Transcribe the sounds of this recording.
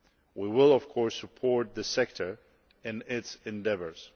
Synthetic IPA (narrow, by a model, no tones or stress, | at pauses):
wiwɪlˠʌv̥kʰɔɹsəpʰɔɹt̪̚ðɨsɛk̚tʰə˞ | ɨ̃nɪtsɨ̃ndɛvə˞z̥